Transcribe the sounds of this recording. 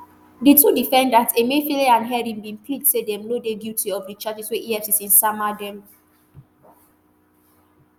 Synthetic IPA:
ditudifɛ̃ndatʰemefileãnɦɛɾĩnbĩnpʰlidsedɛmnodedjutʰiɔfdit͡ʃat͡ʃisweʔiɛfsisĩnsamadɛ̃m

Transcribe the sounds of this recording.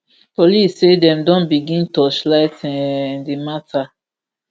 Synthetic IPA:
polisːedɛ̃mdɔ̃nbiɡĩntɔslaɪtdimatʰa

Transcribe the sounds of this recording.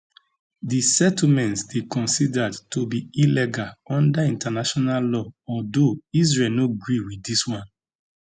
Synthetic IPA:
disɛtl̩mɛ̃ntsdekɔ̃nsidadtobiilɛɡalɔ̃ndaĩntanaʃɔnallɔɔldois̬ɹelnoɡɹiwiiswãn

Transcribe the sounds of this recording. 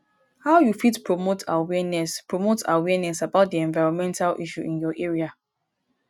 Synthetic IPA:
haʊjufitpɹomotʰawɛnɛspɹomotawɛnɛsabaʊt̚diɛ̃nvaɪɹɔ̃nmɛ̃ntalʔḭʃṵʔĩnjɔʔeɹia

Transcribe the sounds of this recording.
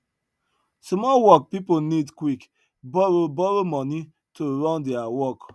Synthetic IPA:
smɔwɔk̚piponidkwik | bɔɹobɔɹomɔni | toɹɔ̃ndɛawɔk

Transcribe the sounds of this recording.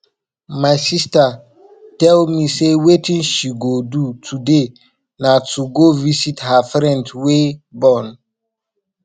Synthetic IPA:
maɪsista | tɛlmisewetĩnʃiɡodutʰude | natʰuɡovisithafɾɛ̃ndwebɔn

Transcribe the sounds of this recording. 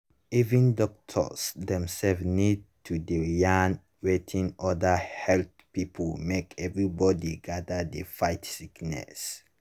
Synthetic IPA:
ivĩndɔk̚tʰɔ̰sdɛ̃msɛlfnid̚tʰudijãn | ɹetʰĩŋʔɔdəhɛlt | pipʰəlmekʰɛvɹibɔdiɡadədəfaɪtsiknɛ̰s

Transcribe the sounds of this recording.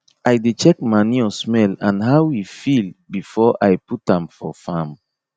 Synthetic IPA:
ajdet͡ʃɛk̚maniɔsmɛlãnɦawifilbifɔʔajputãmfɔ̰fãm

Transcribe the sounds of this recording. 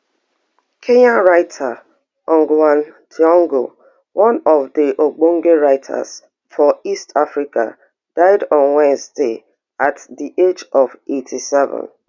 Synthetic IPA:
kʰeɲaɹaɪtʰa | ɔŋɡwãntʰiɔ̃ŋɡo | wʔɔ̃nɔvdɪʔoɡ͡boŋ̩ɡeɹaɪtʰa̰z̥ | fɔistʰafɾika̰ | d̥aɪdɔ̃nwɛ̃nzde | atdiʔed͡ʒɔvetʰisɛvə̰̃n

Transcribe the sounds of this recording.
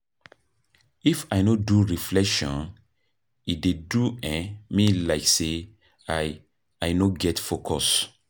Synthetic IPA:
ifajnoduɹiflɛkʃɔ̰̃n | ideduɛ̃mĩlaɪkse | a | ajnoɡɛtfokʰɔs

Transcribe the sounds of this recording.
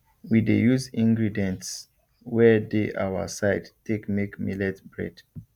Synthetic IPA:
widejuzĩŋɡɹidɛ̃nts | wɛdeʔa̰wa̰saɪdtekmekmilɛtbɹɛ̰d̥

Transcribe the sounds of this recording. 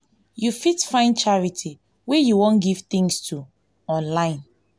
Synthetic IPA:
jufitfãɪ̃nt͡ʃaɹitʰi | wejuwõnɡiv̥tĩŋstʰu | ɔ̃nlãɪ̃n

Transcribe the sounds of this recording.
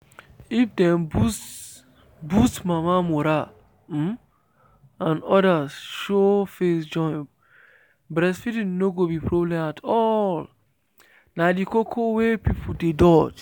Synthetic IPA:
ifdɛ̃mbu | bustmamamoɾa | ãnɔdasʃofesd͡ʒɔ̃ɪ̃ | bɾɛsfidĩnnoɡobipɹoblɛ̃matʰɔl | nadikokʰowepipʰodedɔd͡ʒ

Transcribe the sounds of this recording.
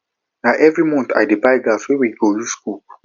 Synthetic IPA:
naʔɛvɹimɔ̃nta̰jdebaɪɡaswewiɡojusku

